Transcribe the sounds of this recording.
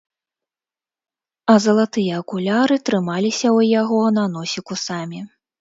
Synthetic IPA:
ɐzɐlˠat̪ɨjɐːkulʲaɾɨt̪ɾɨmalʲisʲɐwjaɣɔnɐnɔsʲikusamʲi

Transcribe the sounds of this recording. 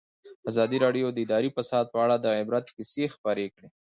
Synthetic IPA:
azɑd̪iɾɑɖjod̪əɪd̪ɑɾifasɑd̪̚pəaɽad̪əɪbɾat̪kɪsexpɑɾekɽe

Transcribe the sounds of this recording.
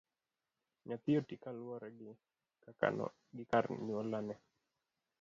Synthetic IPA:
ɲat̪ɪotikalwɔɾɛɡɪ | a̰ | ɡɪkarɲuolanɛ

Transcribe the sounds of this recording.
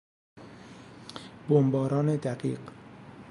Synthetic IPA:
bombɒːɾɒːned̪æɢḭːɢ

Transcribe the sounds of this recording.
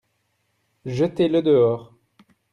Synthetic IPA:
ʒət̪eləd̪əɔːʁ

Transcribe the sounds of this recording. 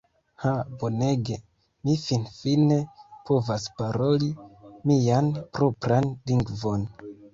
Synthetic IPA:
habo̞ne̞ɡe̞ | mifinfine̞po̞vaspaɾo̞limianpɾo̞pɾanliŋɡvo̞n

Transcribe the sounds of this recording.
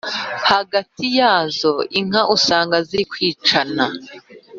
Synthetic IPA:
haɡatijaːzo̞ʔiŋ̥aʔusaːŋɡaziɾikwiːt͡ʃana

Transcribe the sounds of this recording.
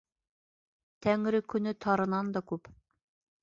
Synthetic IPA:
t̪æŋɾɘkɵ̆nɵt̪ʰɑɾɤ̆nɑnd̪ɑkʉp

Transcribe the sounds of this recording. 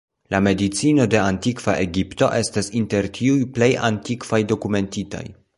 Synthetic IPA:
lame̞dit͡sino̞de̞antikv̥a̰ʔeɡipto̞̰ʔe̞stasinte̞ɾtʰiujple̞ja̰ntikv̥ajdo̞kume̞ntita̰j

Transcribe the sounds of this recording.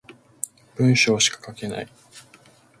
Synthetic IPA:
b̥ɯ̟̃ɰ̃ɕo̞ːɕi̥kḁkake̞na̰i

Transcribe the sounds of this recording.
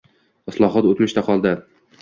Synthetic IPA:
ɪslˠɒɦɒt̪ot̪mɪʃt̪aqʰɒlˠd̪ɪ

